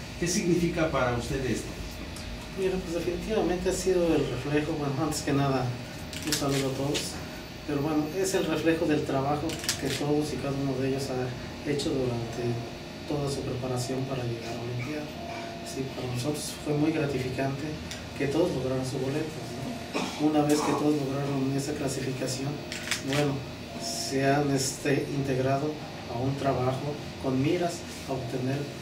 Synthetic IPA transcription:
ke̞siɣnifikapaɾaust̪eðest̪o | miɾapwezðe̞finit̪iβament̪e̞asiðo̞elrefle̞xo̞bwe̞noant̪eske̞naða | unsaluðoat̪o̞ðos | pe̞ɾoβwenoe̞se̞lre̞fle̞xo̞ðe̞lt̪ɾaβaxo̞ke̞t̪o̞ðosikaðaunoðe̞ʝosa | e̞t͡ʃo̞ðuɾant̪e | t̪o̞ðasupɾe̞paɾasjo̞mpaɾaʝe̞ɣaɾanent̪jao | sipaɾanos̬o̞t̪ɾosfwe̞mujɣɾat̪ifikant̪e̞ | ke̞t̪o̞ðo̞zlo̞ɣɾaɾons̬uzβo̞le̞t̪ano | unaβe̞ske̞t̪o̞ðo̞zlo̞ɣɾaɾone̞saklasifikasjo̞nbwe̞no̞ | seanest̪e̞ʔint̪e̞ɣɾað̞o̞ | aunt̪ɾaβaxo̞ | ko̞nmiɾas | aoβt̪e̞ne̞ɾ

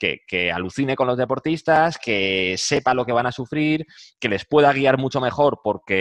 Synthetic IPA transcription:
ke̞̰ke̞a̰luθine̞ko̞nlo̞zðe̞po̞ɾt̪ist̪aske̞se̞palo̞ke̞β̞anasufɾiɾke̞le̞spwe̞ðaɣ̞iaɾmut͡ʃo̞me̞xo̞ɾpo̞ɾke̞

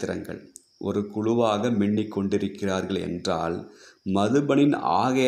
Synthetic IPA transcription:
ɪɾɐ̰ŋɡɐ̰ɭ | ʔɔ̰ɾɯkʊɻʊʋaːɣɐmɪɳːɪkːɔɳɖɪɾɯkːɪraːɾɣɐɭɛ̰ndra̰ːlmɐðɯbɐɳɪna̰ːɣɐ

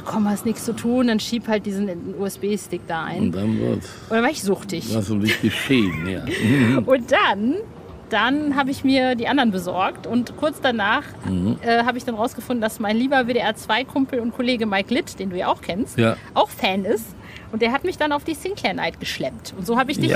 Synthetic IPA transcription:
kʰɔmhastnɪkst͡sutʰuːnd̥anʃiːphalt̚d̥iːzn̩uːɛsb̥eːstɪk̚d̥aːʔa̰ɪnd̥anvɪ̰t | ʊndanvaːɐɪçz̥ʊxtɪçvazolɪɡ̥əʃeːnja̰ːʔʊnt̚d̥an | d̥anɦaːbəɪçmiːɐdiːʔandɐnbəzɔɐktʊntkʰʊɐt͡sd̥anaːχ̩h̩ʔɛːɦaːbəɪçd̥anʁaʊsɡ̥əfʊnd̚ndasmaɪnliːbɐveːɾeːʔɛɐt͡sv̥aɪkʰʊmpl̩ʊntkʰoleːɡəmaɪklɪtd̥eːnduːja̰ːaʊxkʰɛnstjaʔaʊxfɛːnɪst | ʔʊnt̚d̥eːɐɦatmɪçd̥anaʊfd̥iːsɪŋkʰlɛɐna̰ɪtɡ̥əʃlɛmtʔʊntz̥oːhaːbəɪçd̥ɪç

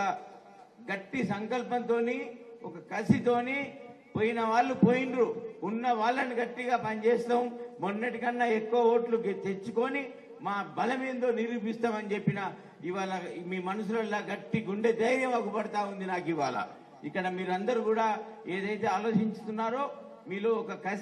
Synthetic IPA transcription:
ɐ | ɡɐʈːisɐŋkɐlpɐnt̪o̞ːniɔkɐkɐsit̪o̞ːneː | poːjinɐʋaːɭːupoːjinɖɾuːnːɐʋaːɭːɐniɡɐʈːiɡaːpɐnt͡ʃeːst̪ɐːmːonːɐʈikɐnːɐekːuʋɐoːʈlut̪et͡ʃːuko̞ni | maːbɐlɐme̞ːnd̪o̞ːniɾuːpist̪aːmɐnit͡ʃe̞pːinɐ | iʋaːlɐmiːmɐnɐs̬ulɐlaːɡɐʈːiɡuɳɖe̞d̪ɐjɾjɐmɐkupɐɽɐt̪aːund̪inaːkiʋaːlɐ̰ | ikːɐɽɐmiːɾɐnd̪ɐɾukuːɽaː | eːd̪ɐjt̪e̞ːaːlo̞ːt͡ʃiɲt͡ʃu̥t̪unːaːɾo̞ː | miːlo̞ːɔkɐkɐ

